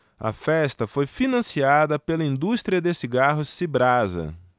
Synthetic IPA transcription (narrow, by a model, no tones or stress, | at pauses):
ɐ̰fɛst̪ɐfojfinɐ̃siad̪ɐpelɐĩnd̪ust̪ɾiɐd̪esiɡaɦʊsibɾazɐ̰